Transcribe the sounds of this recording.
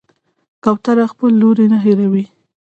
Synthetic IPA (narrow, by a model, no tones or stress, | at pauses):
kawt̪aɾaxpəlːoɾenaɦeɾawi